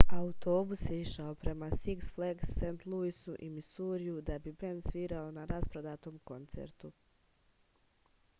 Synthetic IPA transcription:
aut̪o̞ːbusjeiʃaopɾe̞masiksfleɡsːent̪lˠuisuʔimisuːɾijud̪abibend̪sʋiːɾaonaɾaspɾod̪aːt̪o̞ːmko̞nt̪sḛɾt̪u

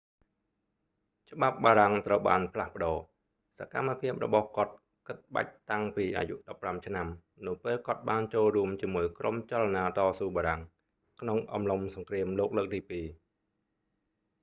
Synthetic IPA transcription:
t͡ɕə̆ɓap̚ɓaːɾaŋt̪rəwɓa̰ːnpʰlahpə̆ɗɑː | sakamːapʰiəp̚rɔ̰ɓɑhkŏət̪̚ | kɨt̪̚ɓa̰c̚t̪aŋpiːʔa̰ːjuʔɗɑpːramt͡ɕʰnam | nɨwpeːlkŏət̪̚ɓaːnt͡ɕoːlruəmt͡ɕiəmuəjkrʔo̰mt͡ɕalanaːt̪ɑːsuːɓaːɾaŋ | kʰnoŋʔɑ̰mlomsɑŋkriəmloːk̚ləːk̚t̪iːpiː

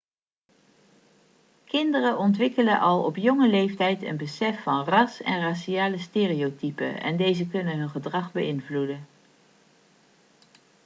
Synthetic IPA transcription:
kɪndərəʔɔntʋɪkələnʔɑlˠɔpjɔŋəlejftɛjtə̰nbəsɛfːɑnrɑsɛ̰nraʃiaːləsteːriowtipə̰ɛ̰ndejzəkɵnənɦɵnχədrɑχbəʔɪnvludən

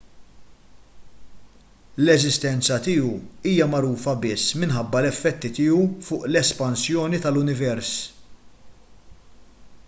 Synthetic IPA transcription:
lɛzɪst̪ɛnt͡sɐt̪ɪːuiːjɐmɐɾuːfɐbɪsːmɪnħɐbːɐlɛfːɛt̪ːit̪ɪːufʊːʔlɛspɐnsjɔːnit̪ɐlʊnɪvɛɾs

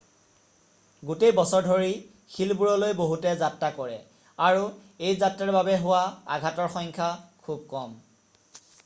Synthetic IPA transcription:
ɡutejbɔsɔɹdʱoɹi | xʰilbuɹɔlojboɦutɛzatɹakɔɹɛ̰ | aɹu | ejzatɹaɹbabɛɦʊwaa̰ɡʱatɔɹxɔŋkʰakʰub̚kɔm

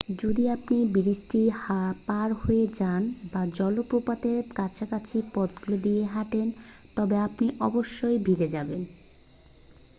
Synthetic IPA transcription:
d͡ʑod̪iapnibiɾisʈihapaɾhoed͡ʑanbad͡ʑɔlopɾopat̪eɾkat͡ɕʰakat͡ɕʰipɔd̪ɡuled̪ijeɦaʈen | t̪ɔbeapniʔɔboʃːojbʱiɾed͡ʑaben

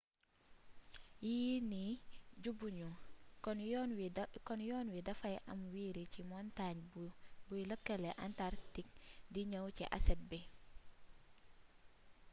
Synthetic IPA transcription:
jiniɟubuɲunwkɔnjɔːnwidɐfajʔamwiːɾicimɔntaɲbujləkːeleʔantaɾtik̚diɲəwcḭʔa̰sɛt̚be

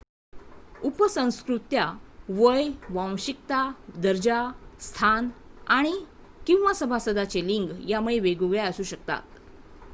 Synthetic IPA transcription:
upəsə̃w̃skɾut̪jaʋəjʋãw̃ɕik̚t̪ad̪əɾd͡ʑast̪ʰanaɽ̃i | kĩw̃ʋasəbʱasəd̪at͡ɕeliŋɡjamuɭeʋeɡuɡɭjaəsuːɕək̚t̪a̰t̪

